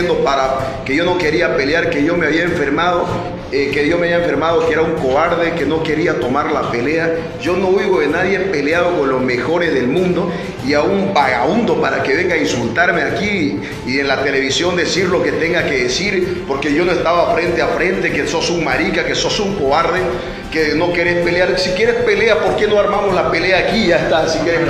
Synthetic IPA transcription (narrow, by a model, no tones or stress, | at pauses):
nd̪opaɾa | keʝo̞no̞ke̞ɾiape̞ljaɾke̞ʝo̞meaβiaẽɱfe̞ɾmaðo | ekejo̞meaβjaeɱfe̞ɾmað̞okeeɾauŋko̞βaɾðekeno̞ke̞ɾiat̪o̞maɾlape̞le̞a | ʝo̞no̞uɣoðenaðjepe̞leaðoko̞nlo̞zme̞xo̞ɾe̞zðe̞lmũnd̪o̞ | iaumbaɣaund̪o̞paɾakeβe̞ŋɡainsult̪aɾme̞akiː | enlat̪e̞le̞βisjo̞nd̪e̞siɾlo̞ke̞t̪e̞ŋɡake̞ðesiɾpo̞ɾke̞ʝo̞noe̞st̪aβaːfɾe̞nt̪eafɾe̞nt̪e̞keso̞suŋmaɾikake̞so̞suŋko̞βaɾðe | keno̞keɾespeleaɾsikje̞ɾespe̞le̞apo̞ɾke̞no̞aɾmamozlape̞leaːkiʝaest̪asikjeɾe